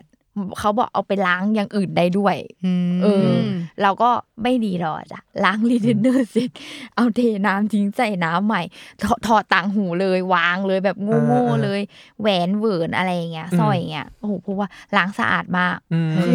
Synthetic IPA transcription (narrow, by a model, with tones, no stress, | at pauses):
kʰa˦˥wbɔ̰ː˨˩k̚ʔa̰˧wpa˧jlaː˦˥ŋjaː˨˩ŋʔɯː˨˩nda˥˩jdu˥˩ɐjʔɤː˧ɾa˧wkɔː˥˩ma˥˩jdiː˧lɔ̰˨˩t͡ɕa̰˧˩laː˦˥ŋliː˧˥t̪ʰe˧nːɤː˥˩se˦˩t̪̚ʔa˧wdeː˧˩naː˦˥mt̪ʰi˧˦˥ŋsa˨˩jnaː˦˥mːa˨˩jt̪ʰɔ˧t̪ʰɔː˧˩t̪a˨˩ŋɦuː˨˩˦lɤː˧jwaː˧ŋlɤː˧jbɛː˨˩p̚ŋoː˧˥˩ŋoː˥˩lɤː˧jwɛː˨˦nwɤː˨˦nʔa̰˧ɾa˧jːa˨˩ŋːi˦˥ɐsɔ˧˩jːa˨˩ŋːi˦˥ɐʔoː˧˩pʰɔ˧˥waː˥˩laː˦˥ŋsa̰˧ʔa̰ː˨˩t̪̚maː˥˩k̚ː